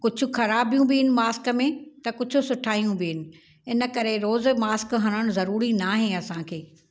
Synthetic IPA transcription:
kʊd͡ʑʱʊ̆xɐɾaːbijũbɪɦɪnɪ̆maːskə̆mẽt̪ɐkʊd͡ʑʱʊ̆sʊʈʰaːijũbɪɦɪnɪ̆ | ɪnə̆kɐɾeɾoːzmaːskɦɐɽ̃əɽ̃ʊzɐɾuːɾinaːɦẽɐsãkʰeː

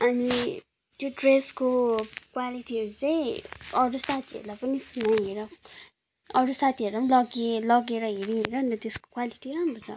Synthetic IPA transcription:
ʌni | t̪joɖreskokwaliʈiɦʌɾut͡sʌĩʌɾusat̪ʰiʌ̰ɾulajpʌnisunaeɾʌ | ʌɾusat̪ʰiʌrɾlapʌnlʌɡelʌɡeɾʌɦeɾeɦeɾʌnit̪ʌt̪esko̥kwaliʈiɾamrot͡sʰa̰

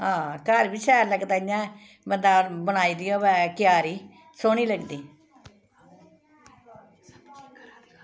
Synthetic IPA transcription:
ɦãːkəɾbit͡ʃɛːɾləɡt̪aːjãː | bənd̪ãːbəñaːiːd̪iːõːbɛːkɪjaːɾiː | soːñiːləɡd̪iː

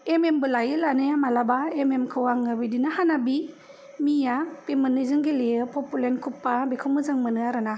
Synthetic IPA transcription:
emembɯlajɯlanɯjamalabaememkʰɯwaŋɯbidinahanabi | mijapemɯnɯzɯŋɡileɯpʰɔpulenkʰupːabekʰɯmɯzaŋmɯnɯaɾɯna

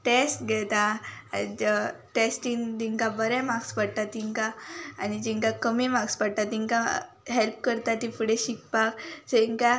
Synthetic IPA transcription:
ʈesʈɡɛt̪a | ʈesʈiŋd̪iŋkabəɾɛ̃maɡspəɽt̪at̪iŋkãːnid͡ʑiŋkakəmemaɡspəɽ̚t̪at̪iŋka | ɦelp̚kəɾt̪at̪ifuɽeɕik̚pakd͡ʑeŋka

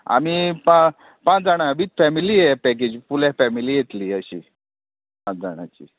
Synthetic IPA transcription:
a̰mipã | pãt͡sd͡zaɽ̃aʋiːt͡s̪fɛmilijɛpɛk̬ed͡ʑpulafɛmiliːjet̪liːəɕḭ | pãt͡sd͡za̰ɽ̃a̰t͡ɕḭː

